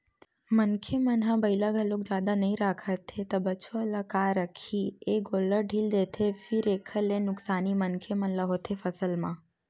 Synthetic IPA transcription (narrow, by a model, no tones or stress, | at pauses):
mənkʰemənɦãbəjləɡʱəlok̚d͡ʒad̪anəɦĩɾakʰət̪ʰːet̪əbət͡ʃʰoəlakaɾəkʰieɡoləɾɖʱild̪et̪ʰefiɾekʰəlenʊksanimənkʰemənləɦot̪ʰefəsəlmã